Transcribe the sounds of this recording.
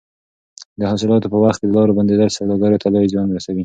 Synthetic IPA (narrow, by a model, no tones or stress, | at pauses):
d̪əhasɪlɑt̪opəwaxt̪̚ked̪əlɑɾoband̪ed̪əlsad̪ɑɡɑɾot̪alɑwizjɑnɾasawi